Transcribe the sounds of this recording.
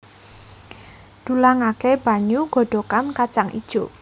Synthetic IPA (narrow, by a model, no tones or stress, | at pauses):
d̪̥ṳlaŋakeb̥a̤ɲuɡ̥ɔ̤ɖ̥o̤kankat͡ʃaŋʔḭd̥ʒ̥o